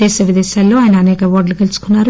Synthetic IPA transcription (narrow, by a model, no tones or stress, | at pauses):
ɛːʃɐʋid̪ɛːʃaːlːo̞ːaːjɐnɐːnɛːkɐʋoːɾɖlukelusu̥kunːaːɾu